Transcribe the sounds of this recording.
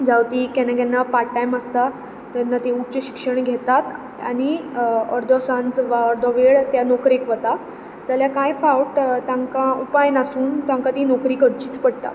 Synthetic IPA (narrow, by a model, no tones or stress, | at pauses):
d͡zawt̪iːkɛnaɡjɛnːapaʈajməst̪a | t̪anːat̪euʈt͡ɕeɕi̥kʂəɳ̃ɡʱet̪at̪ | a̰ɽ̃iɔɾd̪ʱɔsãnd͡zʋaɔɾd̪ʱɔʋeɭt̪janɔkɾekʋət̪a | t̪aljakajfawʈt̪ãŋkaupajnasuːnt̪ãŋkat̪iːnɔkɾiːkəɽt͡ɕiːt͡spəɽt̪a̰